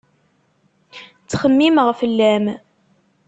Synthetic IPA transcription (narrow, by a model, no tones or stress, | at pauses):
t͡sːχəmːimʁfəlːæm